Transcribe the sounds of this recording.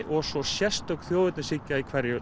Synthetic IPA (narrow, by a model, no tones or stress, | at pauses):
ʔɔɣsɔsjɛst̪œwkθjoːwvʏt̪nɪsicːaikʰvɛɾjœ